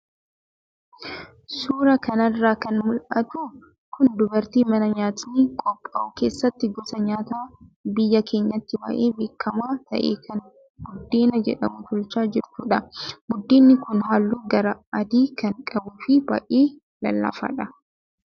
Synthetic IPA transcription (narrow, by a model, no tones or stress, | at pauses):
suːɾɐkɐnɐrːaːkɐnmʊlʔɐt̪u | kʊnd̪ʊbɐɾt̪iːmɐnɐɲaːt̪ɪniːkʼɔpʼːɐʔʊke̞ːsːɐt̪ːɪɡɔsɐɲaːt̪aːbɪjːɐkʰe̞ːɲːɐt̪ːɪbɐ̰ʔeːbeːkːɐmaːt̪ɐ̰ʔḛːkʰɐn | ɡʊd̪ːeːnɐd͡ʒɛᶑɐmʊt̪ʰʊlt͡ʃaːd͡ʒɪɾt̪uːᶑɐɡʊd̪ːiːnːɪkʊnɦaːlːuːɡɐɾɐɐd̪iːkɐŋkʼɐbuːfɪbɐ̰ʔeː | lɐlːɐ̰fɐ̰ᶑɐ